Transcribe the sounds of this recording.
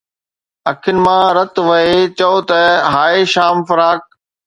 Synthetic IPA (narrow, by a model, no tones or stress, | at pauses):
ɐkʰɪnɪ̆mãːɾɐt̪ʋɐɦet͡ɕɐot̪ɐɦaːeʃaːmfɐɾaːk̚